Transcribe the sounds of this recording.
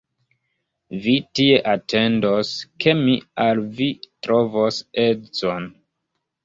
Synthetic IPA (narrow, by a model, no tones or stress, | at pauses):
vitie̞ʔatʰe̞ndoske̞mialvitɾo̞vose̞t͡son